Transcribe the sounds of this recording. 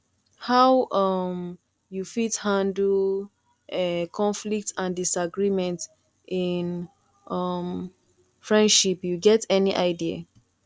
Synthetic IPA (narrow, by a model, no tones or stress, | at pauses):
hawʔʌm | jufithãndl | ɛkʰɔ̃nflik̚tʰãndisaɡɹimɛ̃nt | ʔin | ʔʌm | fɹɛ̃ndʃipjuɡɛtɛniʔaɪdia̰